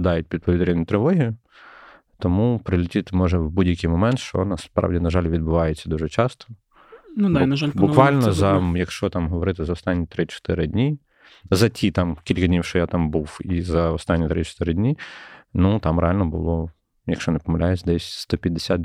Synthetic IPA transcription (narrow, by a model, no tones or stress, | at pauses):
d̪ɑjʊt̚ʲpʲid̪̚pɔʋʲid̪ɾʲinʲʊt̪ɾɪʋɔɦʲijʊ | t̪ɔmupɾɪlʲɪtʲit̪mɔʒɛʋbudʲjɐkɪjmɔmɛnt̪ʃt͡ʃɔ̰nɐspɾɑ̰wdʲinɐʒɑlʲʋʲid̪̚bʊʋɑjet͡sʲːɐd̪uʒɛt͡ʃɑst̪ɔ̥ | nd̪anɐʒalʲbʊkʋɑlʲnɔzɐjɐkʃt͡ʃɔt̪ɑmɦɔʋɔɾɪt̪ɪzɐɔst̪anʲːit̪ɾɪt͡ʃɔ̥t̪ɪɾɪdʲnʲi | zɐtʲʰit̪ɑmkʲilʲkɐdʲnʲiwʃt͡ʃɔjat̪ɑmbuwizɐɔst̪anʲːit̪ɾɪt͡ʃɔ̥t̪ɪɾɪdʲnʲinut̪ɑmɾḛalʲnɔbʊ̰lˠɔ | jɐkʃt͡ʃɔnɛpɔmɐlʲʔajesʲd̪ɛsʲst̪ɔpʲjɐd̪ːesʲat̪